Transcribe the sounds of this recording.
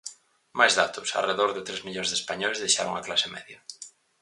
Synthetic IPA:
majzðat̪ʊsa̰reðoɾðɪt̪ɾezmiʎonzðespaɲoezðejʃaɾʊ̰ŋaklasemɛ̰ðjɐ

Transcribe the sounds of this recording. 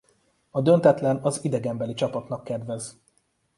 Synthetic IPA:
ɒd̪ø̞nt̪ɛt̪lɛnɒzid̪ɛɡɛmbɛlit͡ʃɒpɒt̪nɒkːɛd̪vɛz

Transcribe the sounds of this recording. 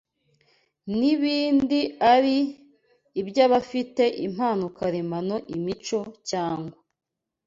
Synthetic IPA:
niβiːndiaɾiː | bjaːβafite̞ʔim̥haːnukaɾemano̞ʔimit͡ʃo̞caːŋɡwa

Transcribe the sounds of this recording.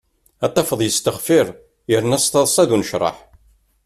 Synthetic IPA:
æt̪ˤːɑfəðˤjəst̪əχfiɾˤ | jəɾnæst̪ɑðˤsˤɑðunəʃɾˤɑ̰ħ

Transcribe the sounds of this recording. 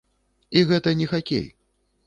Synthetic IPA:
iɣɛt̪ɐnʲɛxakʲḛj

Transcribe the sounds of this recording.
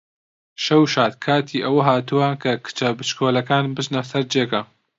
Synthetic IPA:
ʃɐwʃaːt̪̚kʰaːt̪ʰiːʔɐwɐɦaːt̪uwɐkʰɐkʰɨ̥t͡ʃɐbɨt͡ʃkʰoːlɐkaːnbɨʒnɐsɐɾd͡ʒeːkɐ

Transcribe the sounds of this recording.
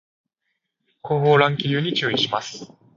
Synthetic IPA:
ko̞ːɦoːɾãŋkʲiɾʲɯːɲ̟it͡ɕɨːiɕimasɨ̥

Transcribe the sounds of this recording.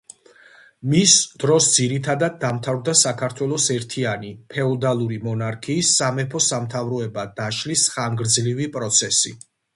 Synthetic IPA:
misd̪̥ɾɔsd̪ziɾit̪ʰad̪ad̪̚dːamt̪ʰavɾd̪asakʰaɾt̪ʰwɛlˠɔsɛɾt̪ʰianipʰɛɔd̪alˠuɾimɔnaɾkʰiːsːamɛpʰɔsamt̪ʰavɾɔɛbad̪aʃlisχaŋɡɾd̪zlivipʼɾɔt̪sʰɛsḭ

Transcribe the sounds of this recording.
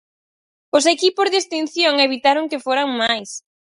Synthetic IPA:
ʊsekipʊzðest̪in̟θjoŋeβit̪aɾʊŋkɪfoɾaŋmajs

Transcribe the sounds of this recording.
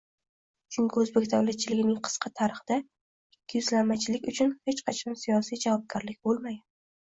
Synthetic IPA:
t͡ʃʰʊŋkʲʰɪɵzbekʲt̪ʰawlat̪̚t͡ʃʰɪlɪɡʲɪnɪŋqʰɨ̥sqʰɑt̪ʰaɾɨχd̪a | ɪkʲʰːɪjʊzlammːat͡ʃʰɪlɪkʲʊt͡ʃʰʊnhet͡ʃqʰɑt͡ʃʰɒnsijɒsijd͡ʒavɒb̚ɡɒɾlɪkʲbolˠmaja

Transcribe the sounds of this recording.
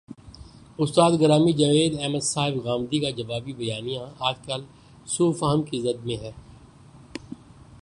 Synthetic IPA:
ʊst̪aːd̪ɡɐɾaːmid͡ʒɐʋeːd̪ɛːməd̪saːɦɪbɣaːmd̪ikad͡ʒɐʋaːbibɐjaːnijãaːd͡ʒkaːl | suːfɐɦəmkizɐd̪̚mẽɦɛː

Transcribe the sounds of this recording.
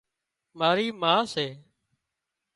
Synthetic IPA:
maːɾiːmaːseː

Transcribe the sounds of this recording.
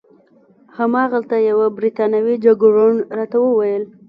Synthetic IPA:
hamɑɣalt̪ajawabɾit̪ɑnawid͡ʒaɡoɾoɳɾɑt̪awəwajəl

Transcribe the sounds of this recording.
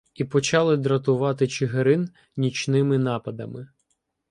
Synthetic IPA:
ipɔt͡ʃɑlˠɪd̪ɾɐt̪ʊʋɑt̪ɪt͡ʃɪɦeɾɪn | nʲit͡ʃnɪmɪnɑpɐd̪ɐmɪ

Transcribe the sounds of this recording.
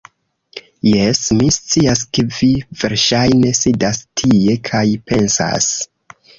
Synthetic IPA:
jesmist͡siaske̞vive̞ɾʃajne̞sidastʰie̞kʰajpe̞nsa̰s

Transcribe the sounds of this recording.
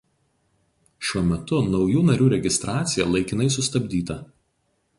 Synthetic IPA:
ʃʲuɔmʲɛt̪ʊnɒʊjuːnɐɾʲuːɾʲɛɡʲɪst̪ɾɑːt̪sʲɪjɛlˠɐɪkʲɪnɐɪsʊst̪ɐbʲd̪ʲiːt̪ɐ

